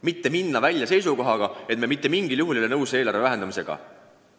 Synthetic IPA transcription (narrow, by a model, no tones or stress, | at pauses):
mit̪ːe̞minːɑvælʲjɑse̞js̬uko̞ɦɑɡ̥ɑet̪me̞mit̪ːe̞miŋɡ̥iljuɦuljolenɤwseːlɑɾvevæɦe̞nd̪ɑmise̞̰ɡ̥ɑ̰